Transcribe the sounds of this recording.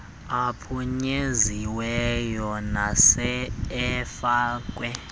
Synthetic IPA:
apʰuɲeziwɛjɔnasɛɛfaːk̬ʼwɛ

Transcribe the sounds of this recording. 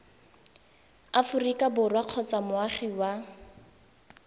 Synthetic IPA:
afʊrikabʊrwaq͡χʰɔt͡samʊaχiwa

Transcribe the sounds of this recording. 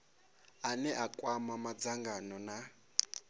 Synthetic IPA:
anɛʔakʼwamamad͡zaŋɡanɔna

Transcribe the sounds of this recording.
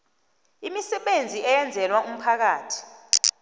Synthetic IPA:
imisɛɓend͡zʱiɛjɛnd͡zʱɛlwaʔum̩pʰak̬aːtʰi̥

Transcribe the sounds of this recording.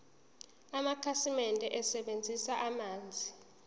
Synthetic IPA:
amakʰasimɛntʼɛʔɛsɛɓend͡zʱisaʔamaːnd͡zʱi

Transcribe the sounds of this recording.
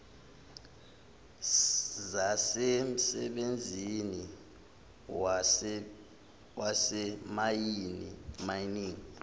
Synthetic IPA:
zasem̩sɛɓend͡zʱini | wasɛmajinḭmajiniːŋi

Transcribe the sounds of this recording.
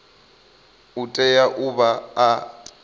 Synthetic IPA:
utʼɛjaʔuβaː

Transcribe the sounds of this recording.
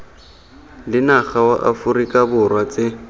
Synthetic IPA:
lɪnaχawaʔa̰fʊrikʼabʊrwat͡sʼɪ

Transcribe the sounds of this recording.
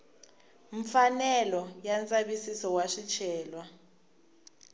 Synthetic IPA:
ɱfanɛlɔjant͡sʼaɓisisɔwaʂit͡ʃʰɛːlwa

